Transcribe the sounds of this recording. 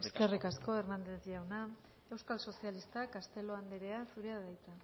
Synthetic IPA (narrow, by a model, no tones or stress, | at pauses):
eske̞rikasko̞eɾnand̪ed̪iawna | e̞wskalso̞sialist̪akast̪e̞lo̞and̪eɾe̞asuɾeaðajt͡s̪a